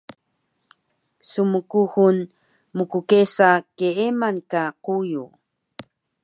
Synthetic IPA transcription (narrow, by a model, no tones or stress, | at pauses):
sumukuxun | mukukesakeemankaquju